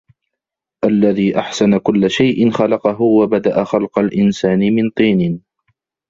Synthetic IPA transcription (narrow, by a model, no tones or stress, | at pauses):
ʔalːaðiːʔaħsanakʊlːaʃajʔɪnxalɑqɑɦʊwabad̪aʔaxalqalʔɪnsaːnɪmɪnt̪ˤiːnɪ